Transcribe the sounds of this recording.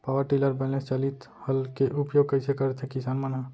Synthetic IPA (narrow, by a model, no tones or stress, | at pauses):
pawəɾʈiləɾbəlest͡ʃəlit̪ | həlkeʔupjoɡ̚kəɪsekəɾɛt̪ʰɛkisanmənɦə